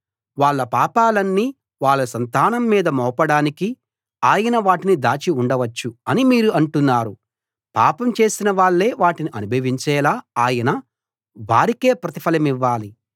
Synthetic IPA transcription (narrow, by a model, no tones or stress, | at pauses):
ʋaːɭːɐpaːpaːlɐnːiː | ʋaːɭːɐsɐnt̪aːnɐmːiːd̪ɐmɔːpɐɽaːniki | aːjɐnɐʋaːʈinid̪aːt͡ʃiuɳɖɐʋɐt͡ʃːuɐnimiːɾuɐɳʈunːaːɾu | pa̰ːpɐmt͡ʃe̞ːsinɐʋaːɭːe̞ːʋaːʈiniʔɐnubʱɐʋiɲt͡ʃɛːlaːaːjɐnɐ | ʋaːɾike̞ːpɾɐt̪ipʰɐlɐmiʋːaːli